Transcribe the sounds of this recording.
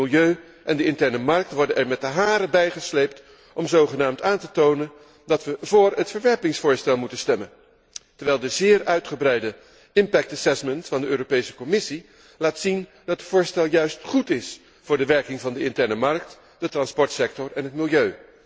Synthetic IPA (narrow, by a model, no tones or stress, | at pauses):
ɪlˠjøɥ | ʔɛndəɪntɛɹnəmɑɹk̚tʋɔɹdənɛɹmɛtəɦaːɾəbɛjχəslejpt | ɔmzowχənaːmtaːntətownən | dɑtʋəvʊːɹətfəɹʋɛɹpɪŋsfʊːɹstɛlˠmutənstɛmən | təɹʋɛjlˠdəzɪːɹœɥtχəbrɛjdə | ɪmpɛk̚tasɛsməntfɑndəʔøːɾopejsə̥kɔmɪsi | laːtsin | dɑtətfʊːɹstɛlˠjœɥstχutɪs | fʊːɹdəʋɛɹkɪŋvɑndəɪntɛɹnəmɑɹk̚t | d̥ətrɑnspɔɹtsɛk̚tɔɹɛnɦətmɪlˠjøɥ